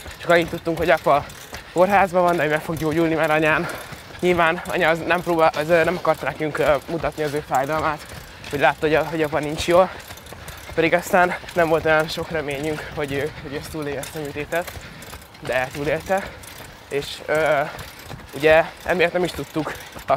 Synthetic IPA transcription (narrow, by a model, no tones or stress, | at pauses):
t͡ʃɒkɒjit̪ːut̪ːuŋkho̞ɟɒpɒ | ko̞rɦaːzbɒvɒnd̪ɛoømɛkfo̞ɡɟoːɟulnimɛɾɒɲaːn | ɲilvaːnɒ̰ɲɒznɛmproːbaʔɒzønɛmɒkɒrt̪ɒnɛkyŋkːmut̪ɒt̪niɒzøːfaːjd̪ɒlmaːt̪ | ho̞ɟlaːt̪ːɔoɦo̞ɟɒpɒnint͡ʃjoːl | pɛd̪iɡɒst̪aːnːɛɱvo̞lt̪o̞jɒnʃo̞krɛmeːɲyŋkho̞ɟøːhoɟøɛst̪uːleːlɛst̪ɛmyt̪eːt̪ɛt̪ | d̪ɛt̪uːleːlt̪ɛ | eːʃøː | uɟɛɛ̰mijɒt̪nɛmiʃt̪ut̪ːuk